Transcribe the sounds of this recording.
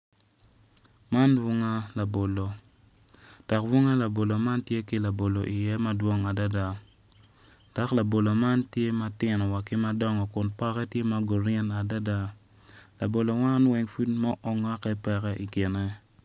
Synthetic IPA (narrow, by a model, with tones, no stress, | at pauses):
ma˦nwu˦ŋa˦la˨bo˨lo˨ | ta˨kwu˦ŋa˦la˨bo˨lo˨ma˦ntje˦kɪ˦la˨bo˨lo˨ʔi˨jɛ˦ma˦dwo˦ŋa˨da˦da˦ | ta˦kla˨bo˨lo˨ma˦ntje˦ma˦tɪ˨nɔ˨wa˨kɪ˦ma˦dɔ˦ŋɔ˨kʊ˨npɔ˦kɛ˦tje˦ma˦ɡo˨ɾɛ˦na˨da˦da˦ | la˨bo˨lo˨wa˦nwɛ˨ŋfu˦tmɔ˦ʔɔ˦ŋa˦kɛ˦pɛ˦kɛ˦ʔi˨kɪ˨nɛ˦